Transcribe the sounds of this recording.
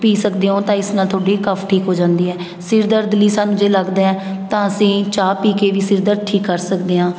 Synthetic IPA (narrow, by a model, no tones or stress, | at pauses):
piːsəkd̪eːɦõːt̪ãːɪsnãːt̪ʰoːɖiːkəfʰʈʰiːkɦoːd͡ʒãːnd̪iːɦɛː | sɪɾd̪əɾd̪ɪlːiːsaːnũːd͡ʒeːləɡd̪aːɦɛːt̪ãːəsĩːt͡ʃaːpiːkeːʋiːsɪɾd̪əɾʈʰiːkːəɾsəkd̪eːɦãː